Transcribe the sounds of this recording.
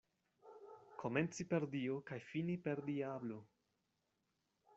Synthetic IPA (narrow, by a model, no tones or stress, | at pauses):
kʰo̞me̞nt͡sipeɾdiokajfinipe̞ɾdiablo